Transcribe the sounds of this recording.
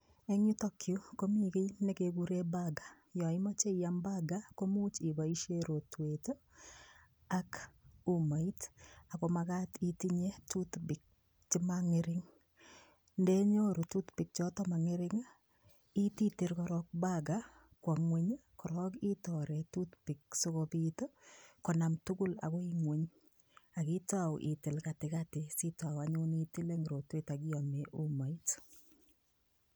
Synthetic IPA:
e˦ŋu˦to˦kʰju˦ko˦mi˦kɪ˦jne˦keɡu˦ɾe˦baɡḁ˨ | jɔ˨ɪ˦ma˦t͡ʃe˦jambaɡa˦ko˦mu˦t͡ʃi˨ba˨i˦ʃe˦ɾo˨twe˨to˦ | aku˨ma˨i˦ta˨ko˨maka˦titi˦ɲe˦tut̪bɪ˨k̚ | t͡ʃɪ˦maŋɪɾɪŋ | nde˦ɲo˦ɾu˨tu˦t̪bɪ˨k̚t͡ʃɔ˦tɔ˦ma˨ŋɪ˦ɾɪ˦ŋa | i˦ti˦ti˦ɾkɔ˨ɾɔk̚baɡa | kwa˨ŋwe˦ɲkɔ˨ɾɔ˦ki˦tɔɾɛ˨tu˦t̪pɪ˨k̚so˦kɔbito˦kɔ˨na˨mtʊ˦kʊ˦la̰kɔ˦iŋwe˦ɲ | a˨kɪ˦tawʔɪ̰˨tɪ˨lka˨tɪ˨katɪsi˦ta˨waɲʊ˦ni˦ti˦le˦ŋɾo˨twe˦ta˨ɡɪ˦ɔ˨me˨ʔu˦ma˨i˦t

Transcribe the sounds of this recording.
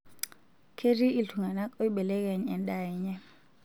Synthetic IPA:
kʰe˦ri˦i˦˨ɬʰu˨ŋa˨na˦kʼo˦jɓɛ˨lɛ˦k̬ɛ˨ɲɛ˨ndʼa˨ɲɛ˦

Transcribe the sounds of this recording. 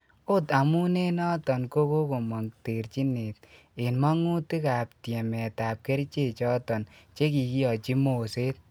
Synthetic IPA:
o˦ta˨mu˦ne˦nɔ˦tɔ˨nko˦ko˦ko˨mɔ˨ŋte˨ɾt͡ʃi˦ne˨t̚ | e˨nma˦ŋu˦ti˦ka˨p̚tjɛ˨mɛ˨ta˨p̚ke˦ɾt͡ʃe˦˨t͡ʃɔ˦tɔ˨nt͡ʃe˦ki˨ki˦ɔ˨t͡ʃi˦mo˨se˦t̚

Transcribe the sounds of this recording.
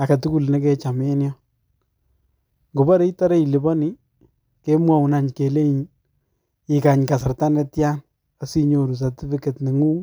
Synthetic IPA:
a˨ka˨tu˦ku˦˨lne˦ke˦t͡ʃame˦njɔ | ŋɡo˨ba˦ɾe˦i˦tɔ˦ɾe˦i˨li˨bɔ˦ni | ke˦mwa˨wu˨na˨ɲke˨le˦ɲ | i˨ka˨ɲka˨sɪ˨rta˦nɛ˦tjan | a˨si˦ɲo˨ɾu˨s̬a˨tɪ˦fɪke˨tni˨ŋuː˦ŋ

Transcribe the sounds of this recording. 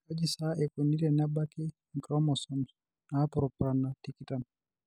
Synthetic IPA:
ka˦d͡ʒi˨sa˦ɛke˨ni˦ɾɛ˨na˦ba˦kɪ˦ | ŋ˨kɾɔ˦mɔ˨sɔ˨n | na˦pɔɾɔpɾa˨na˨tikita˨n

